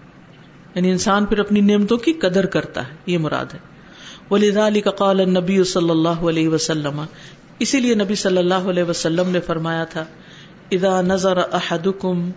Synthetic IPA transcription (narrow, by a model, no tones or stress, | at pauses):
jaːniɪnsaːnpʰɪɾɐpnineːmt̪õkikɐd̪əɾkɐɾt̪a̰ɦɛjemʊɾa̰ːd̪ɦɛː | ʋɐlɪðaːlɪkɐqɑːlɐnːɐbijːʊsɐlːɐlːaːɦʊɐlɛːɦɪʋɐsɐlːɐmɐ | ɪsilienɐbisɐlːɐlːaːɦʊɐlɛːɦɪʋɐsɐlːəmnefɐɾmaːjat̪ʰa | ɪðaːnɐzɑɾʔɐħad̪ʊkʊm